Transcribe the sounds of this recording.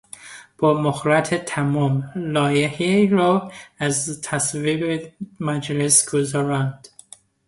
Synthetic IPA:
b̥ɒːmoxɾæt̪ʰet̪ʰæmɔmlɒːjeheɾoæzt̪ʰæsvibemæd͡ʒlesɡ̥ozaɾand̪̥

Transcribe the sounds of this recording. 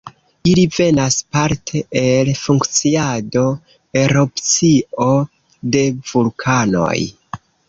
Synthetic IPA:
ilive̞naspaɾtʰe̞ʔelfuŋkt͡siado̞ | eɾopt͡sio̞ | de̞v̥ulkʰano̞̰j

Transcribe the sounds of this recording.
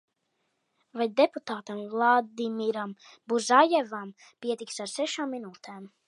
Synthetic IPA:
vajd̪eput̪aːt̪amvlˠad̪imiɾambuzajɛvam | piɛt̪iksaɾsɛʃaːmːinuːt̪ɛːm

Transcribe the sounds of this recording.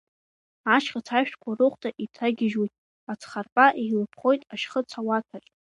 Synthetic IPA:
aʃχʲat͡sʰaʃᶣtʰʼkʷʰarɨχʷtʼaʔitʰaɡʲɪʒijtʼ | at͡sʰχarpʼaʔejlɨpʰχo̞jtʼaʃχət͡sʰawatʰaɬʲʼ

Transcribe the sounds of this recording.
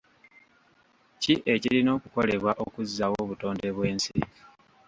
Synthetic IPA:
ciʔe̞cilino̞ːkuko̞le̞βwaʔokuzːawoβuto̞ːnde̞βwe̞ːnsḭ

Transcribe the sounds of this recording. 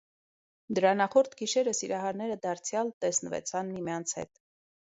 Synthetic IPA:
d̪əɾɑnɑχɔɾt̪ʰɡiʃɛɾəsiɾɑɦɑɾnɛɾəd̪ɑɾt͡sʰjɑlt̪ɛsnəvɛ̰t͡sʰɑnmimjɑnt͡sʰhɛ̰t̪

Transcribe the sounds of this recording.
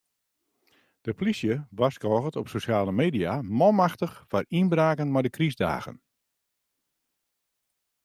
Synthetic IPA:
d̥əplisjəʋaskɔːɣətɔpsosjaːləmeːdiamɔmaxtəxfarinbraːkənmajdəkʰrizda̰ːɣə̰n

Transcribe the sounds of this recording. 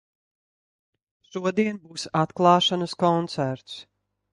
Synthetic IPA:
ʃuɔd̪iɛnbuːsat̪klˠɑːʃanəskɔnt̪sæɾt̪s

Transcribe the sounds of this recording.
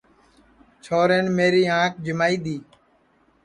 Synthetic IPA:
t͡ʃʰoːɾeːnmeːɾiːãːk̚ʰd͡ʒɪmaːiːd̪iː

